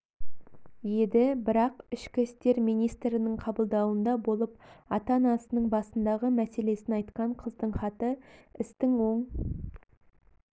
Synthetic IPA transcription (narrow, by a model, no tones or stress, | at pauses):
je̞d̪ɪbɪɾɑqɪʃkʲɪst̪e̞ɾmijnijst̪ɾɪnəɴqʰɑbəlˠd̪ɑwənd̪ɑbo̞lˠəp̚ɑt̪ɑnɑsənəɴbɑsənd̪ɑʁəmæse̞le̞sɪnɑjt̪qɑɴqʰəzd̪əɴχɑt̪əɪst̪ɪŋwo̞ɴ